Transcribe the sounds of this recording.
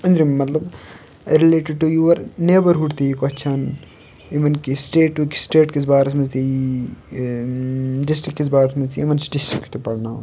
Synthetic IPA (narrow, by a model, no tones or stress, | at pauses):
ɐ̃nd̪ɾimmɐt̪lɐb | ɾileːʈɪɖ̚ʈujuʋɐɾneːbɐɾɦuʈt̪iikɐt͡ʃʰɐn | iʋɐnkisʈeːʈːuki̥sʈeːʈkisbaːɾɐsmɐzt̪ii | ɖɪsʈɾikːisbaːɾɐsmɐzt̪iiʋɐnsɖɪsʈɾikːi̥t̪opɐɽnaː